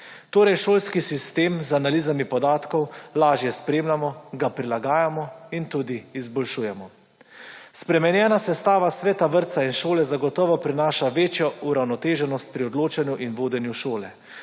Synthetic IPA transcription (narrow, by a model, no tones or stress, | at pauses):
t̪oːɾɛjʃoːlskisist̪eːmzanaliːzamipɔd̪aːt̪kɔwlaːʒjɛspɾeːmlamɔɡapɾilaɡaːjamɔint̪uːd̪iːzbɔlʃuːjɛmɔ | spɾɛmɛnjɛːnasɛst̪aːʋasʋɛːt̪aʋəɾt̪sainʃoːlɛzaɡɔt̪ɔːʋɔpɾinaːʃaʋeːt͡ʃjɔuɾawnɔt̪eːʒɛnɔst̪̚pɾiɔd̪loːt͡ʃanjuʔinʋoːd̪ɛnjuʃoːlɛ